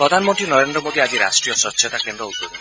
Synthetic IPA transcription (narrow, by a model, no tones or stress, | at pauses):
pɾɔd̪ʱanmɔnt̪ɾinɔɾend̪ɾɔmod̪ʱiad͡ʒiɾa̰sʈɾijɔʃɔtːɕʰɔt̪akend̪ɾɔut̪ːoɾi